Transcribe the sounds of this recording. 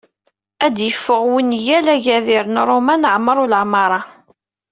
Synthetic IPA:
æd̪jəfːəʁwinjælæʝæðiɾənɾˤomænʕmːəɾˤʊlʕmɑɾˤɑ

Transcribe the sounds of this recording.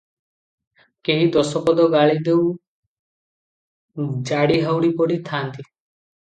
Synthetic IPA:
keɦĩd̪ɔsɔpɔd̪ɔɡaɭid̪ew | d͡ʒaɽiɦawɽipɔɽit̪ʰant̪i

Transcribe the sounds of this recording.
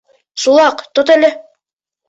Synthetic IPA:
sulˠɑqt̪ot̪ælɘ

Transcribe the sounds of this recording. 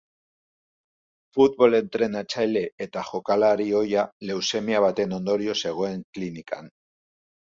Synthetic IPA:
fut̪̚βo̞le̞nt̪ɾe̞nat͡ʃajle̞et̪axokalaɾio̞jale̞wse̞mjaβ̞at̪e̞nõnd̪o̞ɾjose̞ɣ̞oeŋklinika̰n

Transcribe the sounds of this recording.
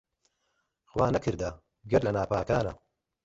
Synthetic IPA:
xwaːnɐkʰɨɾd̪ɐ | ɡɐɾlɐnaːpaːkaːnɐ̰

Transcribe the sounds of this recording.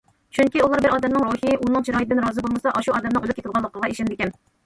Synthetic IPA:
t͡ʃʰyŋkʲiulˠɑɾbɪɾɑːd̪ɛmnɨŋɾohijʔunɨŋt͡ʃʰiɾɑːjt̪̚d̪ɪnɾɑːzɨbolˠmɨsɑʔɑʃuɑːd̪ɛmnɨŋølˠɪpʲkʲet̪ɪlˠʁɑlˠːəqʰəʁɑeʃɪnd̪ɪkʲɛn

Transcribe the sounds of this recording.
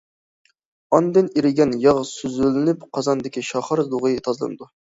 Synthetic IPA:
ɑnd̪ɪniɾɪɡʲɛnjɑʁsøzylɪnypqʰɑzɑnd̪ɪkʲiʃɑχɑɾd̪uʁɨjt̪ʰɑzlˠɨ̰nɨd̪u

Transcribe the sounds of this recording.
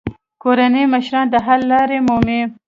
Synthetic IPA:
koɾaneməʃɾɑnd̪əɦalːɑɾemome

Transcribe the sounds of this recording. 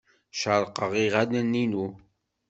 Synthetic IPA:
ʃəɾˤqəʁiʁænənːinu

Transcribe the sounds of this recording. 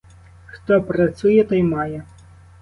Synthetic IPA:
xt̪ɔpɾɐt̪sujɛt̪ɔjmɑjɛ

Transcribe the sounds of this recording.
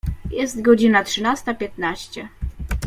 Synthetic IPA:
jɛst̪ɡɔd͡ʑinatʂɘnast̪apʲjɛt̪naɕt͡ɕɛ

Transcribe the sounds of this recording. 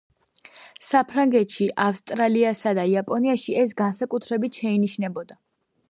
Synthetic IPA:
sapʰɾaŋɡɛt̪ʃiʔafst̪ʼɾaliasad̪aiapʼɔniaʃiɛs̬ɡansakʼut̪ʰɾɛbit̪ʰʃɛiniʃnɛbɔd̪a

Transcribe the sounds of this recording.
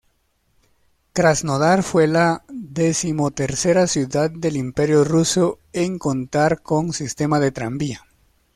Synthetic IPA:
t̪ɾaznoðaɾfwe̞laðe̞simot̪e̞ɾse̞ɾasjuðað̚d̪e̞limpe̞ɾjoruso̞ | eŋko̞nt̪aɾkoŋsist̪e̞maðe̞t̪ɾambia

